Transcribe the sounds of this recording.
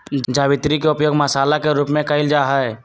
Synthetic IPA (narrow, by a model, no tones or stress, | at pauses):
d͡ʒd͡ʒaːʋɪt̪ɾikeʊpjoːɡmɐsaːlakeɾuːpmẽkəɪld͡ʒaɦɛe